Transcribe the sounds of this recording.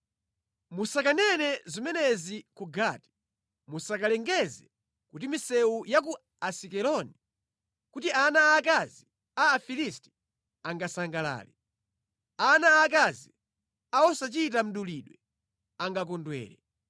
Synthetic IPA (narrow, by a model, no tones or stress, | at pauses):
musakanɛnɛzimɛnɛzikuɡati̥ | musakalɛŋɡɛzɛ | kutimisɛujak̬u | asikɛlɔni | kut̬ianaːk̬azi | aːfilisti̥ | aŋɡasaŋɡala̰ːli | anaːkazi | aɔsat͡ʃit̬am̩ɗuliɗwɛ | aŋɡak̬ɔndwɛ̰ːlɛ